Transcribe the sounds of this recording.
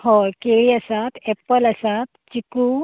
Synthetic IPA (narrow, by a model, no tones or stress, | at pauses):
hɔkeiɐsat̪ʰepəlɐsat̪̚t͡ʃiku